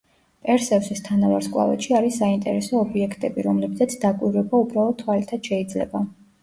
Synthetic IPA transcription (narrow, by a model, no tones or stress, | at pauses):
pʼɛɾsɛvsɛst̪ʰanavaɾskʼwa̰vɛ̰t̪ʃiaɾisːaint̪ʼɛɾɛsɔːbiɛkʰt̪ʼɛbiɾɔmlɛbit̪ʰat̪sʰd̪akʼwivɾwɛbaubɾalˠɔd̪̚t̪ʰwalɛt̪ʰad̪̥ʃɛid̪zlɛ̰ba